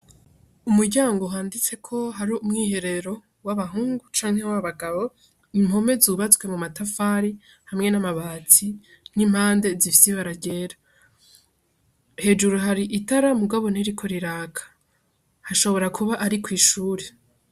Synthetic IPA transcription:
umuɾɟaːŋɡoɦaːndit͡se̞kʰo̞ɦaɾiumŋiːhe̞ɾe̞ɾo̞ | waβaɦuːŋɡut͡ʃaːŋhe̞waβaɡaβo̞ | imho̞me̞zuːβat͡swe̞mumatafaːɾi | hamŋe̞namaβaːt͡si | n̥im̥haːnde̞zifi̥siβaɾaɟe̞ːɾa | he̞d͡ʒuɾuɦaɾiʔitaɾamuɡaβo̞neɾikʰo̞ɾiɾaːkʰḁ | haʃo̞βo̞ɾakʰuβaʔaɾikwiːʃuːɾe

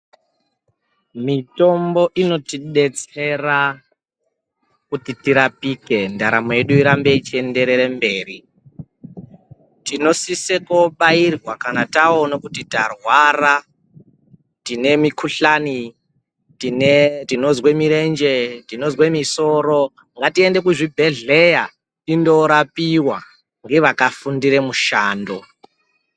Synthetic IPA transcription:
mito̞mbo̞ʔino̞tiɗe̞t͡se̞ra | kutitiɾapike̞ndaɾamoje̞ɗuiɾambeit͡ʃie̞nde̞ɾe̞ɾe̞mbe̞ːri | tino̞sisekoɓairwakanatao̞nokutitarwara | tine̞mikuɬani | tinetino̞zwemiɾe̞nd͡ʒe̞tino̞zwemiso̞ɾo̞ | ŋɡatiende̞kuʐibʱe̞ɮe̞ja | tindo̞ɾapiwa | ŋɡe̞ʋakafundiɾe̞muʃaːndo̞

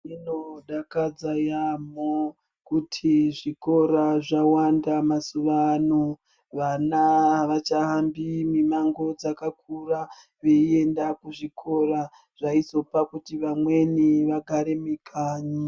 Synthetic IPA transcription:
ino̞ɗakad͡zajamo | kutʰiʐiko̞ɾaʐawandamasuʋano | ʋanaʋat͡ʃaɦambimimaŋɡo̞d͡zakak̚ura | ʋeie̞ndakuʐikʰo̞ɾa | ʐ̥ait͡so̞pakutiʋamwe̞niʋaɡʱaɾe̞mikʰaːɲi

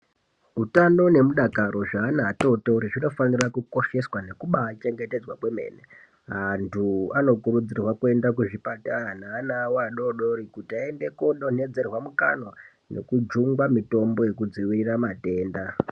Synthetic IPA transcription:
utano̞ne̞muɗakaɾʔo̞ʐaːnato̞touɾiʐino̞fanirakuko̞ʃe̞swane̞kuɓaːt͡ʃe̞ŋɡe̞te̞d͡zwakwe̞me̞̰ːne | ɦantʰuano̞kuɾud͡zirwakue̞ndak̬uʐipataanaːnawaɗo̞ɗo̞ɾikutiaende̞koɗone̞d͡ze̞rwamuka̰no̞ | ne̞̰kud͡ʒuŋɡwamito̞mbo̞je̞k̬ud͡ziwiramate̞ːnda

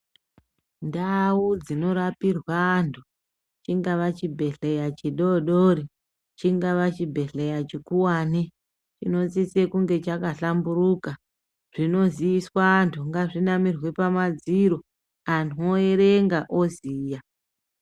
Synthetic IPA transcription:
ndaud͡zino̞ɾapirwantʰu | t͡ʃiŋɡaʋat͡ʃibʱe̞ɬe̞jat͡ʃiɗoɗoɾi | t͡ʃiŋɡaʋat͡ʃibʱe̞ɬe̞jat͡ʃikuwani | t͡ʃino̞t͡s̬isekuŋɡe̞t͡ʃakaɬamburuka | ʐ̥ino̞ziiswantʰuŋɡaʐinamirwepamad͡ziɾo̞ | anoeɾeŋɡaʔoziːja

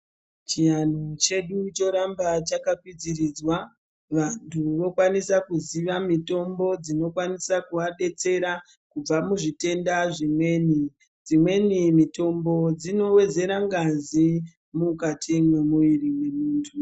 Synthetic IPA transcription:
t͡ʃijanot͡ʃe̞ɗut͡ʃo̞ɾambat͡ʃakakwid͡zirid͡zwa | ʋantʰuʋo̞kwanisakuziʋamito̞mbo̞d͡zino̞kwanisakuaɗe̞t͡se̞ɾa | kub͡vamuʐite̞ndaʐimwe̞ːni | d͡zimwe̞nimito̞mbo̞d͡zino̞we̞d͡ze̞ɾaŋɡazi | mukatʰimwe̞muʋirimwemuːntʰu

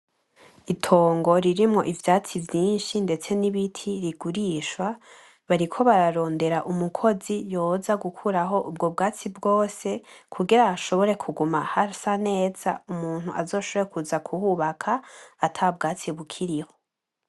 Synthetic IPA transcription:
itʰo̞ːŋɡo̞ɾiɾimŋo̞̰ʔivjaːt͡sivjiːnʃinde̞t͡se̞niβitʰiɾiɡ̥uɾiːʃwa | βaɾikʰo̞βaɾaɾo̞ːnde̞ɾaʔumukʰo̞zijo̞ːzaɡukʰuɾaɦo̞ʔub̚ɡo̞bɡaːt͡sibɡo̞ːse̞kʰuɡiɾaaʃo̞βo̞ɾe̞kʰuɡumahasane̞ːz̥a̰umuːn̥huʔazo̞ːʃoβo̞ɾekʰuzakʰuhuːβakʰaːtʰab̚ɡaːt͡siβukʰiɾiho̞

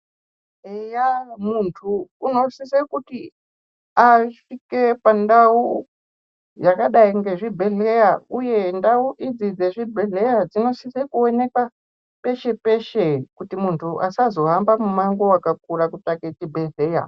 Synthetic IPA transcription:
ejamuntʰuːno̞sisekuti | afike̞pandau | jakaɗaiŋɡe̞ʐibʱe̞ɮe̞jauje̞ndauʔid͡zid͡zeʐibʱe̞ɮejad͡zino̞sisekuone̞kwa | pe̞ʃe̞pe̞ʃekutimuntʰuʔa̰sazo̞ɦambamumaŋɡo̞wakak̚uɾakutaket͡ʃibʱe̞ɮe̞ja̰

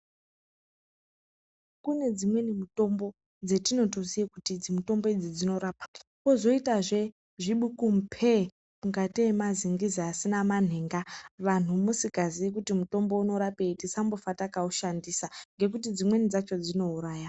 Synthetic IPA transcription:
kune̞d͡zimwe̞nimuto̞mbo̞ | d͡zetino̞to̞ziekutid͡zimito̞mbo̞id͡zid͡zino̞ɾaːpḁko̞zo̞itaʐe̞ | ʐiɓukumpʰe | muŋɡatiemaziŋɡiziasinaman̤eːŋɡaʋan̤umusikaziik̬utimuto̞mbo̞uno̞ɾape̞itisambofatakauʃandisaŋɡe̞k̬utid͡zimwe̞nid͡zat͡ʃo̞d͡zino̞uɾaːja

